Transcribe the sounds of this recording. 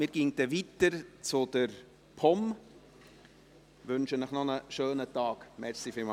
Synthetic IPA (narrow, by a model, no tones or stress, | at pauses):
mɪːɾɡ̥iːŋd̥̪ɛʋitəɾt͡sʊd̪̥əɾ | pʰɔm | ʋɵnʃənəχnɔnəʃøːnətɑːkmɛɾsifɪlmɑ